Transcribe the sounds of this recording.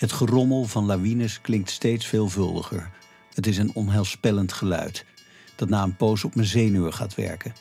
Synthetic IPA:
ɦətχərɔməlˠvɑnlaʋinəsklɪŋk̚tstejtsfeːlˠvɵlˠdə̰χə̰ɹ | ətɪsənɔnɦɛlˠspɛləntχəlœ̰ɥt | d̥ɑtnaːənpowsɔpmənzejnøəχa̰ːtʋɛ̰ɹkən

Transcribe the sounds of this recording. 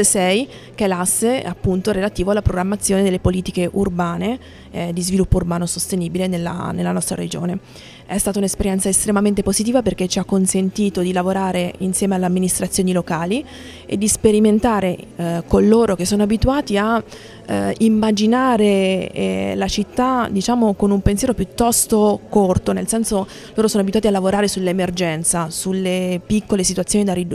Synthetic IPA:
sɛj | k̟elasːeapːunt̪oɾelat̪iːvoalːapɾoɡɾamːat̪sːjoːned̪elːepoliːt̪ikeʔurbaːne | d̪izvilupːourbaːnosost̪eniːbilenelːa̰nelːanɔst̪ɾa̰ɾed͡ʒoːne | ɛst̪aːt̪aunespeɾjɛnt̪saest̪ɾemament̪epozit̪iːvaperk̟et͡ʃːiakːonsent̪iːt̪od̪ilavoɾaːɾeinsjɛːmealːeamːinist̪ɾat̪sjoːnilokaːli | ḛd̪ːispeɾiment̪aːɾekolːoːɾok̟esːoːnoabit̪uaːt̪ia | imːad͡ʒinaːɾe | lat͡ʃit̪ːad̪it͡ʃaːmokonumpensjɛːɾopjut̪ːɔst̪okort̪onelsɛnso | loːɾosoːnoabit̪uaːt̪ialavoɾaːɾesulːemerd͡ʒɛnt̪sasulːepikːolesit̪uat̪sjoːnid̪arid̪

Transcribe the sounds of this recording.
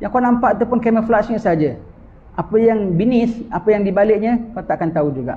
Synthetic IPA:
jaŋkanãmpaʔat̪̬apʊnkeməflasɲəʔsəɦad͡ʒa | apəjaŋbinɪsapəjaŋdibalɪʔɲə̃kat̪aʔakant̪aud͡ʒuɡa̰ʔ

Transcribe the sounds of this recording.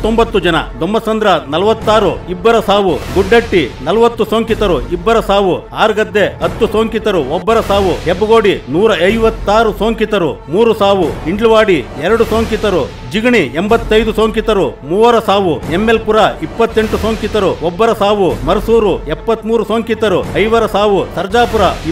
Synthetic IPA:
t̪ːombɐt̪ːud͡ʒɐnɐ̰d̪ombɐsɐnd̪ɾɐnɐlɐʋɐt̪ːaːɾuibːɐɾɐsaːʋuɡuɖːɐʈːinɐlʋɐt̪ːusoːŋkit̪ɐɾuibːɐɾɐsaːʋuaːɾɡɐd̪ːe̞ɐt̪ːusoːŋkit̪ɐɾuɔbːɐɾɐsaːʋuɦebɐɡoːɽinuːɾɐɐjʋɐt̪ːaːɾusoːŋkit̪ɐɾumuːɾusaːʋuiɳɖɭuʋaːɽiɛɾɐɽusoːŋkit̪ɐɾu | d͡ʒiɡɐɳiembɐt̪ːɐjd̪usoːŋkit̪ɐɾumuːʋɐɾɐsaːʋuemːelpuɾɐipːɐt̪ːeɳʈusoːŋkit̪ɐɾuɔbːɐɾɐsaːʋumɐɾɐsuːɾuɛpːɐt̪ːmuːɾusoːŋkit̪ɐɾuɐjʋɐɾɐsaːʋusɐɾd͡ʒaːpuɾɐ

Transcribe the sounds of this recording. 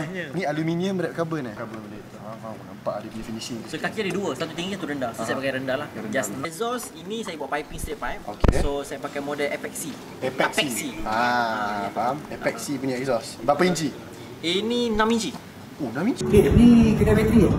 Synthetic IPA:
jənĩalumĩniəmbəɾat̚kabənakabənbədat̪̚ | aanampaʔdɛdɛfinisinsokakiadiduəsat̪ut̪̬iŋɡiat̪uɾəndassajapakajɾəndalahɾənd͡ʒasnɛzɔsinĩsajabuaʔpajpiŋst̪ɾet̪̚pajp̚okḛsosajapakajmɔdɛlʔɛpɛk̚si | ɛpɛk̚pɛiksiapaamɛpɛk̚sipuɲaʔɛksɔsbapaiɲt͡ʃi | ininãmiɲt͡ʃi | ohnãmiɲt͡ʃikedəikədamɛt̪ɾi

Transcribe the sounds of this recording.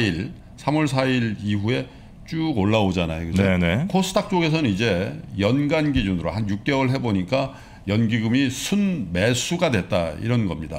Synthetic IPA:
iɾ | sʰamʌɭs̬ʰaiɾiɸue̞ | t͡ɕ͈uɡoɭːaod͡ʑanajoɡɯd͡ʑenekʰosʰɯ̥tʰak̚t͡ɕ͈oɡe̞s̬ʰʌnɯnid͡ʑe̞jʌnɡanɡid͡ʑunɯɾohanjuk̚k͈e̞wʌɭɦe̞boɲik͈a | jʌnɡiɡɯmisʰunme̞sʰuɡadwe̞t̚t͈a̰ḭɾʌnɡʌmɲida

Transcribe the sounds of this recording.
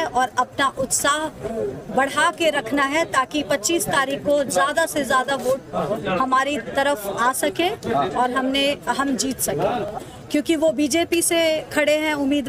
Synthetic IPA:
ʔɔːɾɐpnaʔʊt̪saːɦbɐɽ̤aːkeɾɐkʰnaɦɛt̪aːkipɐtːt͡ʃiːst̪aːɾiːkkozjaːd̪asezjaːd̪aʋoːʈ̚hɐmaːɾit̪ɐɾəfaːsɐkẽɔːɾɦɐmneɦɐmd͡ʒiːt̪sɐkẽː | kjõːkiʋobiːd͡ʒeːpisekʰɐɽeɦɛ̃ʊmːiːd̪

